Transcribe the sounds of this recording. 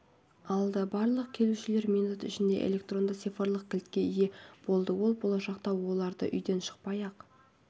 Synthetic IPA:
ɑlˠd̪ɑbɑɾlˠəq̚kʲʰe̞luʃɪle̞ɾmʲijnut̪ʏʃɪnd̪e̞̰ʔḛlʲe̞k̚t̪ro̞nd̪əsefɑɾlˠəq̚kʲʰɪlt̪kʲe̞ije̞b̥o̞lˠd̪əwo̞lˠbo̞lˠɑʃɑqt̪ɑwo̞lˠɑɾd̪ə̰ʔʏjd̪e̞nʃə̥q̚pɑjɑq

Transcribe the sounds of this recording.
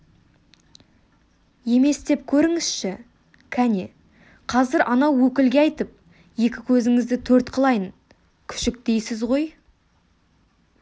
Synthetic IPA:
je̞me̞sd̪e̞p̚kʲʰɵɾɪŋɪzʃɪ | kʲʰæne | qʰɑzɪɾʔɑnɑwːɵkʲɪlɡʲeɑjt̪əp̚ | je̞kʲɪkʲʰɵzɪŋɪzd̪ɪt̪ʰɵɾt̪qʰəlˠɑjən | kʲʰʏ̥ʃɪk̚d̪e̞jsɪzʁo̞j

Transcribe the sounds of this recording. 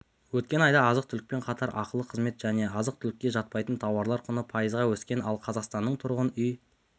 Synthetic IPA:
wɵt̪̚kʲe̞nɑjd̪ɑːzəq̚t̪ʰʏlɪk̚pe̞ɴqʰɑt̪ʰɑɾʔɑ̰qəlˠəqʰəzme̞t̪ʒ̥æne̞ɑzəq̚t̪ʰʏlɪkʲːe̞ʒɑt̪̚pɑjt̪ənt̪ʰɑwɑɾlˠɑɾqʰʊnəpʰɑjəzʁɑwɵskʲe̞nɑlˠqʰɑzɑqst̪ɑnːəɴt̪ʰʊɾʁənʏj

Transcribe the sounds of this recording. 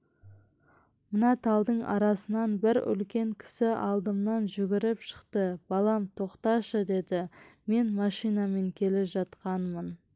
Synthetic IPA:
mənɑt̪ʰɑlˠd̪əɴɑ̰ɾɑsənɑnbɪɾʏ̰lkʲe̞ŋkʲʰɪ̥sɪʔɑ̰lˠd̪əmnɑnʒʏɡʲɪɾɪpʃə̥qt̪əb̥ɑlˠɑmt̪ʰo̞qt̪ɑʃəd̪e̞d̪ɪme̞nmɑʃijnɑme̞ŋkʲʰe̞lɪʒɑt̪qɑnmən

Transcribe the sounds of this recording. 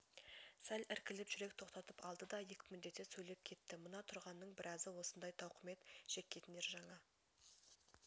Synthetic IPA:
sælʲɪɾkʲɪlɪpʒ̥ʏɾe̞kt̪ʰo̞qt̪ɑt̪əpɑlˠd̪əd̪ɑjekʲɪmʏd̪d̪e̞t̪ːesɵjle̞p̚kʲʰe̞t̪ːɪmənɑt̪ʰʊɾʁɑnːəɴbɪɾɑzəwo̞sənd̪ɑjt̪ʰɑwqəme̞t̪ʒ̥e̞kʲːe̞t̪ɪne̞ɾʒɑɴɑ

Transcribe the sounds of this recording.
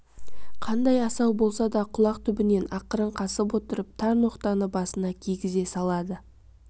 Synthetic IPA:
qʰɑnd̪ɑjɑsɑwbo̞lˠsɑd̪ɑqʰʊlˠɑqt̪ʰʏbɪne̞nɑqəɾəɴqʰɑsəp̬wot̪əɾəp̚t̪ʰɑɾnoqt̪ɑnəbɑsənɑkʲʰeɡʲɪze̞sɑlˠɑd̪ə

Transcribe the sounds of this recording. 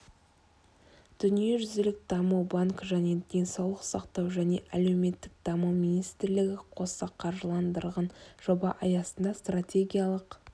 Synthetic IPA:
d̪̥ʏnije̞ʒʏzɪlɪk̚d̪ɑmuwbaŋkʒæne̞d̪̥ʲe̞nsɑwlˠəqsɑqt̪ɑwʒæne̞̰ʔæle̞wme̞t̪ːɪk̚d̪ɑməwminijst̪ɾlɪɡʲɪqʰo̞sɑqʰɑɾʒəlˠɑnd̪əɾʁɑnʒ̥o̞bɑʔɑjɑsənd̪ɑst̪ratʲe̞ɡʲijɑlˠəq

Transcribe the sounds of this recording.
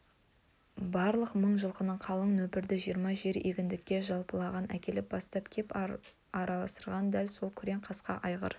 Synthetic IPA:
bɑɾlˠəqməɴʒəlˠqənəɴqʰɑlˠəɴnɵpɪɾd̪ɪʒijəɾmɑʒe̞ɾeɡʲɪnd̪ɪkʲːe̞ʒɑlˠpəlˠɑʁɑnʔækʲe̞lɪp̚bɑst̪ɑpkʲʰe̞p | ɑɾɑlˠɑsəɾʁɑnd̪ælso̞lˠkʲʰʏɾe̞ŋqʰɑsqɑ̰ʔɑjʁə̰ɾ

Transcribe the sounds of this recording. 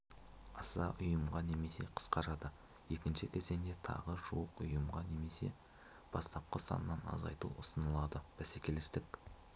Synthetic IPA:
ɑsɑʔʊjəmʁɑne̞me̞se̞̰qʰə̥sqɑɾɑd̪ə | je̞kʲɪnʃɪkʲʰe̞ze̞ŋd̪e̞t̪ʰɑ̰ʁəʒuəqʊjəmʁɑne̞me̞se̞̰ | b̥ɑst̪ɑp̚qəsɑ̰nəːɑnɑ̰zɑ̰jt̪ṵʊsənəlˠɑd̪əb̥æsekʲe̞lɪst̪ɪkʲ

